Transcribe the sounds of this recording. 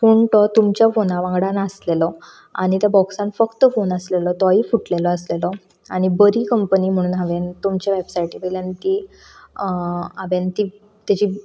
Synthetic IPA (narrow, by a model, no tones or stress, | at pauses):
foɳʈət̪umt͡ɕjafonaʋãŋɡɽãnəslelɔ | a̰ɽ̃it̪jabɔksãnfəkt̪əfonəslelɔt̪ɔaifuʈlelɔəslelɔ | aɽ̃ibəɾiːkəmpəniːm̤əɽ̃uːnɦaʋent̪umt͡ɕjaʋebsajʈikeljant̪iː | ɦaʋent̪i | t̪jat͡ɕiː